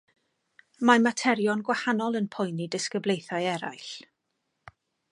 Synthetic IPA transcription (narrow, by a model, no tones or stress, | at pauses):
mamatʰɛɾjɔnɡwahanɔlˠənpʰɔjnidɪskəblejθajɛɾa̰jɬ